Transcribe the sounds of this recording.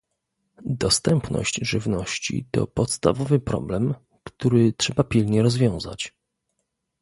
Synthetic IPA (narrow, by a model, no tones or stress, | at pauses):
d̪ɔst̪ɛmpnɔ̰ɕt͡ɕʐɘvnɔɕt͡ɕḭt̪ɔ̰pɔt̪st̪a̰vɔvɘpɾɔ̰blɛm | kt̪uɾɘtʂɛbapʲilɲɛɾɔzvʲjɔ̃w̃za̰t͡ɕ